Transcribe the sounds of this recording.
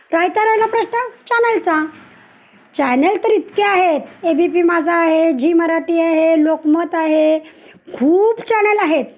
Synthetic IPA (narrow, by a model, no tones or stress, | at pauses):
ɾajt̪aɾajlapɾəɕnət͡ɕanəlt͡sã | t͡ɕɛnəlt̪əɾit̪keaɦet̪ebipiːmad͡zʱaːɦed͡ʑʱiːməɾaʈiːaɦelokmət̪aɦekʰuːpt͡ɕanəlaɦet̪